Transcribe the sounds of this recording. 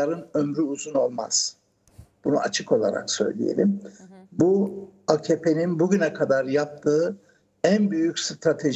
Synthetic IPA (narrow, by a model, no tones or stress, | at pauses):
aɾɯnømɾyuzuno̞lˠma̰z̥ | b̥unua̰t͡ʃʰɯkʰo̞lˠa̰ɾa̰ksø̞̰jlʲḭjḛlʲimbuacʰepʰe̞ninbuɟynɛkʰad̪aɾjap̚t̪ʰɯː | ænbyjycʲst̪ʰɾat̪ʰe̞ʒ